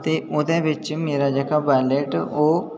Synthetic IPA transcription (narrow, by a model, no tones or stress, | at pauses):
t̪eʊd̪ẽʋɪt͡ʃmeːɾad͡ʒəkabaːɪleːʈoː